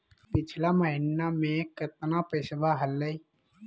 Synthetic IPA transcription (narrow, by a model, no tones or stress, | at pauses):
pɪt͡ʃʰlaməɦɪnamẽkət̪napəːsʋaɦəlːəi